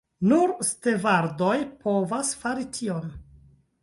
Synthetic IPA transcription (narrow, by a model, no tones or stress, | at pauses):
nuɾstevaɾdo̞jpʰo̞vasfaɾitʰion